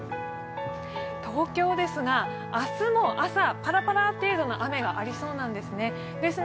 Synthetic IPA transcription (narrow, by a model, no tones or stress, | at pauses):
t̪o̞ːkʲo̞ːd̪e̞sɨɡa | asɨmo̞ʔasapaɾapaɾat̪e̞ːd̪o̞no̞ʔame̞ɡaʔaɾʲiso̞ːnãnd̪e̞sɨne̞ | d̪e̞sɨ